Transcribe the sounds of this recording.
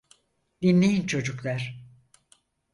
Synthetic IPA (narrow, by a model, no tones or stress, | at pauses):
d̪inlʲejint͡ʃʰo̞d͡ʒuklʲˠæɾ̥